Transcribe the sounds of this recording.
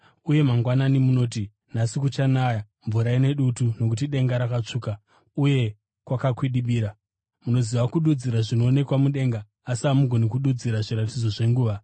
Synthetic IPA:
uje̞maŋɡwananimuno̞ːt̬i | nasikut͡ʃanaja | ɱvuɾaine̞ɗutuno̞k̬ut̬iɗe̞ŋɡaɾakat͡ʂuːka | uje̞ | kwakakwiɗiɓiːɾa | muno̞ziʋakuɗud͡ziɾaʐino̞ːne̞kwamuɗe̞ŋɡaː | siamuɡʱo̞nikuɗud͡ziɾaʐiɾatid͡zo̞ʐe̞ŋɡuːʋa

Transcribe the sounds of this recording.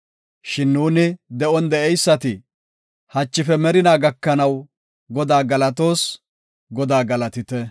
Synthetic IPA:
ʃɪnːuːnɪd̪ɛɔnd̪ɛɛjsːɐt̪ɪ | hɐt͡ʃːɪfɛmɛɾɪnaːɡɐkːɐnɐw | ɡɔd̪aːɡɐlɐt̪o̞ːs | ɡɔd̪aːɡɐlɐt̪ɪt̪ɛ

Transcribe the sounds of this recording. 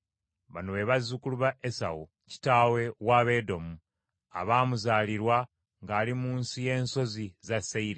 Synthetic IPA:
βanoβe̞βazukuluβaʔesa̰wu | ci̥taːwe̞waːβe̞ːdo̞mu | a̰βaːmuzaːliɾwa | ŋɡaːlimuːnsije̞ːnso̞zizaseiɾe

